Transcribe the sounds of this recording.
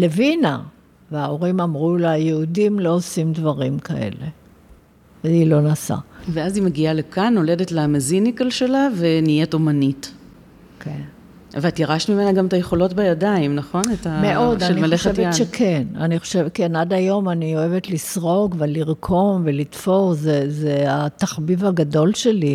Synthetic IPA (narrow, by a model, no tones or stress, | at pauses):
le̞vina | veao̞ʁimamʁuleajeudimlo̞osimdvaʁimkʰa̰ʔe̞̰le̞̰ | veilo̞nasa̰veazimeɡialekanːo̞ledetlemezinikalʃelavenijetomanit | ken | veatjaʁaʃtmime̞naɡametajeχo̞lo̞tbejadaimnaχo̞netameʔo̞daʃelimeleχʃeetjeaʃekʰe̞na̰niχoʃevkenadajo̞manio̞e̞vetlisʁo̞ɡveliʁkʰo̞mvelitfo̞ʁzezeataχbivhaɡado̞lʃe̞li